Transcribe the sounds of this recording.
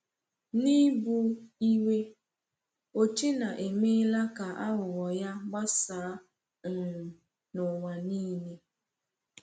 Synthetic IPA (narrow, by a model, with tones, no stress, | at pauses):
ni˦bu˦i˦we˦ | o˦t͡ʃi˦na˨ʔe˨meː˦la˦ka˨ʔa˦ɦʊ˨ɣɔ˨ja˦ɡ͡ba˦saː˨˦ | ŋ̩˨ | nʊ˨wa˨niː˦ne˦